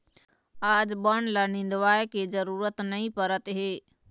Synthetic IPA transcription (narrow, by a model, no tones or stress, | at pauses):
aːd͡ʒbəɳ̃lanɪ̃nd̪ʋaːjkezəɾuːɾət̪nɐĩpəɾət̪ɦeː